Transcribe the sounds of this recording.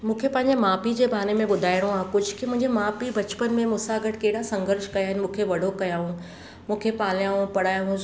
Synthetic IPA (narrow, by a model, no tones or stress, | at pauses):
mũːkʰepɐ̃ɦɪɲd͡ʑemaːpid͡ʑeːbaːnemẽɓʊd̪ʱaːɪɽ̃õaːɦkʊd͡ʑʱʊkimʊ̃ɦɪ̃ɲd͡ʑemaːpibɐt͡ɕpənmẽmʊsaːɡəʈʰkɐɦɪɽasɐ̃ŋɡəɾʃkɐjaːɦɪnɪmũːkʰeʋɐɖʱokɐjaːɦũ | mũːkʰepaːljãːɦũpɐɽaːjɦũ